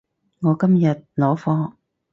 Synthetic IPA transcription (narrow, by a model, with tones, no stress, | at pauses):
ŋɔː˨˧kɐ˥mjɐ˨t̚lɔː˨˥fɔː˧˥